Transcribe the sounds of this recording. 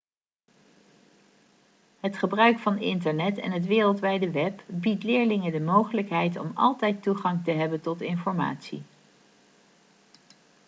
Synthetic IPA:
ɦətχəbrœɥkfɑnɪntəɹnɛtɛ̰nɦətʋɪːrəlˠtʋɛjdəʋɛpbitlɪːɹlɪŋədəmowχələkɦɛjtɔ̰mɑ̰lˠtɛjtuχɑŋtəɦɛbəntɔtɪnfɔɹma̰ːtsḭ

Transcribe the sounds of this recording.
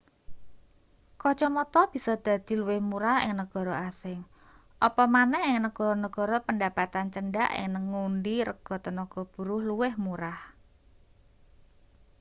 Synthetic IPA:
kɔt͡ʃɔmɔt̪ɔb̥i̤sɔd̪̥ä̤d̪̥i̤luwɪhmuɾahɪ̰ŋnəɡ̥ɔ̤ɾɔasɪŋ | ʔɔpɔmanɛhɪŋnəɡ̥ɔ̤ɾɔnəɡ̥ɔ̤ɾɔpəndapat̪ant͡ʃənɖa̰ʔɪ̰ŋnəŋːunɖiɾəɡ̥ɔ̤t̪ənɔɡ̥ɔ̤b̥ṳɾʊhluwɪhmuɾah

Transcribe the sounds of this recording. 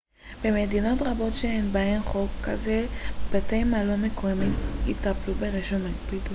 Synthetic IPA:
b̥emed̪ino̞tʁabo̞tʃeenbaemχo̞kːazeb̥atejmalomekomimit̪aplubeʁeʃomaɡbid

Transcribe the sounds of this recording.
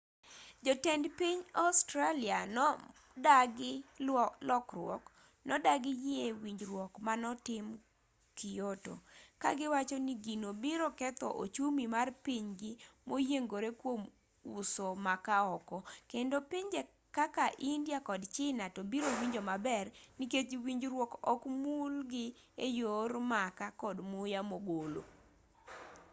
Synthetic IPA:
d͡ʒɔtɛndpiɲastɾalianɔ | daɡɪlɔkrwɔ̰k | nɔdaɡɪjɪewiɲd͡ʒɾwɔkmanɔtɪm | kɪjoto̰ka̰ɡɪwat͡ʃɔnɪɡinobiɾokɛt̪ɔ̰ʔo̰t͡ʃumimarpiɲɡɪmojeŋɡoɾekwom | ṵsomakaɔkɔkendopiɲd͡ʒe | kakaʔindjakɔdt͡ʃɪnatɔbiɾowiɲd͡ʒomabɛrniket͡ʃwiɲd͡ʒɾwɔkɔkmulɡɪ | ejoɾmakakɔdmujamoɡolo̰

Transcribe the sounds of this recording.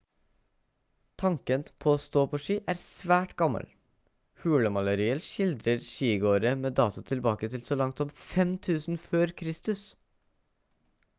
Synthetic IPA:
t̪ʰɑŋkənpʰoːoːst̪oːpʰoːʃiːʔæːɾsʋæːʈɡɑmə̰l | hʉːləmɑləɾiːəlʃɪld̪ɾəɾʃiːɡoːɾəmeːd̪ɑːt̪ʊt̪ʰɪlbɑːkət̪ʰɪlsoːlɑŋt̪sɔmfɛmt̪ʰʉːsn̩føːɾkʰɾɪst̪ʉs

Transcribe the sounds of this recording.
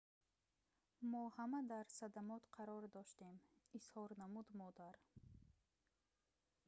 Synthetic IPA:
mɔhamad̪aɾsad̪amɔt̪qʰaɾɔɾd̪ɔʃt̪emishɔɾnamud̪mɔd̪aɾ

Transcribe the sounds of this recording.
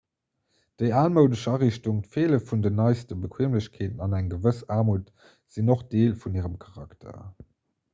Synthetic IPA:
d̥əɪaːlməʊdəɕɑːʁiɕtuŋtfeːləfundənɑɪstəbəkʰweːmləɕkʰeːtənɑnæŋɡəvəsaːmuːt | z̥inoχd̥eːlfuniːʁəmkʰɑʁɑktʰɐ̰

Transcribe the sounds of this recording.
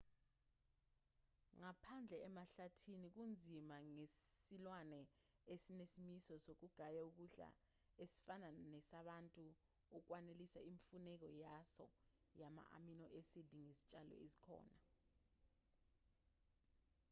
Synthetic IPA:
ŋapʰand͡ɮʱɛɛmaɬatʰinik̬und͡zʱimaŋesilwanɛ | esinesimisɔsok̬uɡ̥ʱajauk̬uɬa̰ | esi̥fananɛsaɓantʼu | uk̬wanelisaiɱfunɛk̬ɔjasɔ̰ | jama̰ʔa̰minɔʔesidʱiŋesi̥t͡ʃʼalɔ̰ezikʰɔ̰ːna

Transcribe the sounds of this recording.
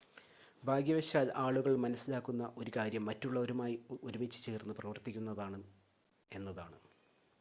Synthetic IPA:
bʱaːɡjɐʋɐɕjaːlaːɭuɣɐɭmɐnɐsːilaːkːunːɐʔo̞ɾukaːɾjɐmːɐtːuɭːɐo̞ɾumaːjiuɾumit͡ɕːɨ̥t͡ɕeːrnːɨprɐʋɐrt̪ikʲːunːɐðaːɳɨ | e̞nːɐðaːɳɨ

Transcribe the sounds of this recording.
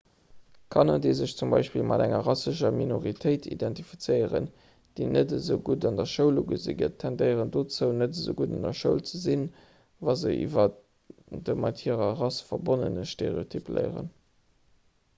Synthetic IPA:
kʰɑnɑdezəɕt͡sumbɑ̰ɪʃpilmʔɑ̰dæŋɐ̰ʁɑsəʃɐminoʁitʰəɪtʰḭdɛntifit͡sɜɪəʁə̰n | d̥enʔədəzəʊɡudɑndɐʃəʊlouɡəzḭɡə̰tʰːændəɪəʁəndot͡səʊnətəzə̰ʊɡuːdɑndɐʃəʊlt͡səzin | vɑzəʔḭvɐ | dəmɑtʰhiʁɐʁɑsfɐbonə̰nəʃtḛʁḛotʰyplə̰ɪəʁə̰n

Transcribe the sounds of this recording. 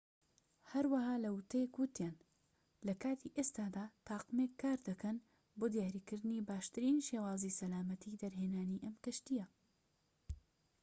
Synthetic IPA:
hɐɾwɐhaːlɐwɨt̪ʰɐjekwɨt̪jan | lɐkaːt̪ʰiʔest̪aːd̪aːt̪ʰɑːqɨmekʰːaːɾd̪ɐkɐn | boːd̪ijaːɾiːkɨɾd̪ɨnibaːʃt̪ɨɾiːnʃeːwaːzisɐlaːmɐt̪ʰid̪ɐɾɦeːnaːniʔɐmk̪ɨʃt̪ijɐ

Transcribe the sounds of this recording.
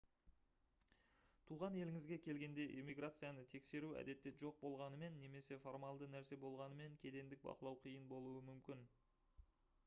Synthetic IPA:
t̪ʰuʁɑne̞lɪŋɪzɡʲe̞kʲʰe̞lɡʲe̞nd̪e̞ʔimʲijɡrat̪sɨjanət̪ʰe̞kse̞ɾuæ̰d̪e̞t̪ːe̞ʒo̞q̚bo̞lˠʁɑnəme̞nːe̞me̞se̞fo̞rmalˠd̪ənæɾse̞bo̞lˠʁɑnəme̞ŋkʲʰe̞d̪e̞nd̪ɪk̚bɑ̰qəlˠɑwqʰijənbo̞lˠuəmʏmkʲɪn

